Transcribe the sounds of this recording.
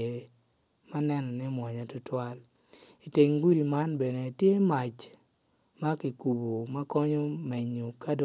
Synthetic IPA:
e˨ | ma˦nɛ˦nɔ˨nɛ˦mwɔ˨ɲa˨tʊ˦twa˦l | i˨te˨ŋɡu˦ɾi˨ma˦nbɛ˨ne˨tje˦ma˨t͡ʃ | ma˦ki˨ku˨bo˨ma˦kɔ˦ɲɔ˦me˨ɲo˨ka˦d

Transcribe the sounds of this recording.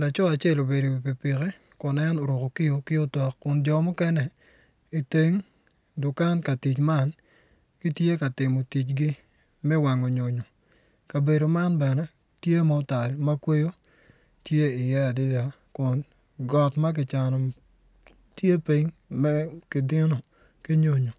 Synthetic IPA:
la˨t͡ʃɔ˦a˨t͡ʃe˦˨lo˨be˨do˨i˨pi˨pɪ˨kɛ˦ | kʊ˨nɛ˦no˨ɾo˨ko˨kɪ˦o˨˦kɪ˦o˦tɔ˨kkːʊ˨nd͡ʒɔ˨mɔ˦kɛ˦nɛ˨ | i˨te˦ŋ | dʊ˨ka˦nka˨ti˨t͡ʃma˦n | ki˦tje˦ka˨tɪ˨mo˨ti˨t͡ʃɡɪ˦ | mɛ˦wa˨ŋo˨ɲo˨ɲo˨ | ka˨be˨do˨ma˦nbɛ˨nɛ˦ | tje˦ma˨˦ta˨lma˦kwe˦jo˦ | tje˦ɪ˨jɛ˦a˨dɪ˦da˨ | kʊ˨n | ɡɔ˨tma˦k̬ɪ˨t͡ʃa˨nɔ˨ | tje˦pi˦ɲmɛ˦kɪ˨dɪ˦no˨ | ki˦ɲo˦ɲo˨

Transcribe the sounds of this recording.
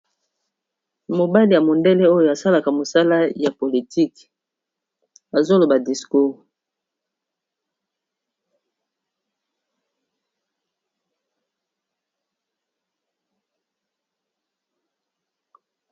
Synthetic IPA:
mo˨ba˦li˨ja˨mo˨nde˦le˦o˦jo˨a˨sa˦la˨ka˨mo˨sa˦la˦ja˨po˨li˨tʰi˦k | a˨zo˦lo˨ba˨di˨sku˦ʁ

